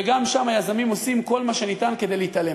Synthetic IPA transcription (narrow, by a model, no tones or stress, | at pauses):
eɡamʃamhajazamimo̞simko̞lmaʃe̞nit̪anke̞d̪e̞jlehit̪ale̞